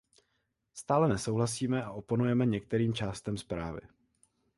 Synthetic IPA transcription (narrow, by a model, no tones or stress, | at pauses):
st̪aːlɛnɛsowɦlasiːmɛʔaʔo̞ponujɛmɛɲɛk̚t̪ɛɾiːmt͡ʃaːst̪ɛmspɾa̰ːvɪ̰